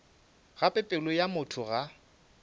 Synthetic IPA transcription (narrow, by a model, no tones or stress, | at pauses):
ɣapʼɪpʼɪlɔjamʊtʰʊɣa